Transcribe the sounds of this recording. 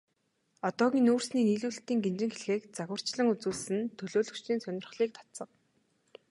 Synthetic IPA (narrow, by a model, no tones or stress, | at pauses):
ɔt̪ɔːɣʲiːnuːrsniːniːɮuːɬt̪iːŋɡemt͡ɕɪ̆ŋxeɮxeːkt͡saɣwə̆r̥t͡ɕɮə̆ŋut͡suːɮsɘ̆nt̪ʰɵɮoːɮɵ̆kt͡ɕiːnsœnʲɪ̆rχɮiːk̚t̪ʰḁt̪t͡sə̆q